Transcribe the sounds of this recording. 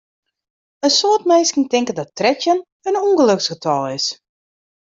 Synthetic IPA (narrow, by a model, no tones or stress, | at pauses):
ənsoətmɛjskəntɪŋkədɔtrɛtjən | ənuŋɡəløksxətʰɔlˠɪs